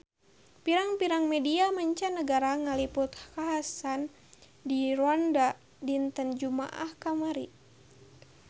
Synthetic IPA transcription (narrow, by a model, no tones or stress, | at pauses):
piɾaŋpiɾaŋmɛdiamaɲt͡ʃanːəɡaɾaŋalipʊt̪kaɦasan | diruanda | dint̪ənd͡ʒuma̰ʔa̰hkamaɾḭ